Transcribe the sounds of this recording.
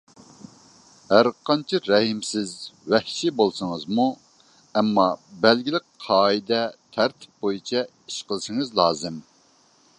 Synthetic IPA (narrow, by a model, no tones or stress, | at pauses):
hæɾqʰɑnt͡ʃʰiɾɛɦimsɪzwɛhʃibolˠsɨŋɨzmu | ɛmːɑbælɡʲilɪk̚ʲqʰɑːid̪ɛt̪ʰæɾt̪ʰɪ̥p̚bojit͡ʃʰɛ | iʃqəlˠsɪŋɨzlˠɑːzɨm